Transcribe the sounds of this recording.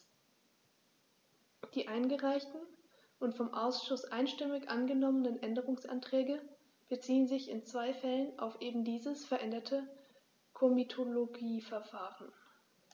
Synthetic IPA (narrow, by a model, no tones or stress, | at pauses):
d̥iːʔaɪnɡəʁaɪçtn̩ | ʔʊntfɔmʔaʊsʃʊsʔaɪnʃtɪmɪçʔanɡənɔmənənʔɛndəʁʊŋsʔa̰ntʁ̥ɛːɡə | b̥ət͡siːənzɪçɪnt͡sv̥aɪfɛləna̰ʊfʔeːbm̩diːzəsfɛɐʔɛndɐtʰə | kʰomitʰoloɡiːfɛɐfaːʁən